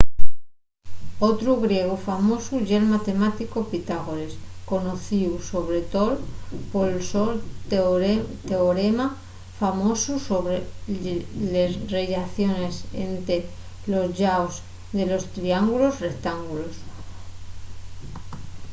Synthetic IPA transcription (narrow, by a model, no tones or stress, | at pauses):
ot̪ɾuɣɾje̞ɣ̞ofamosuʝelmat̪e̞mat̪ikopit̪aɣ̞oɾesko̞noθiwso̞β̞ɾe̞t̪olpolsol | t̪eoɾema | famo̞susoβɾe | lezreʎaθjo̞ne̞sent̪e | lo̞zʎaos | d̪e̞lo̞st̪ɾiaŋɡulo̞zre̞k̚t̪aŋɡulos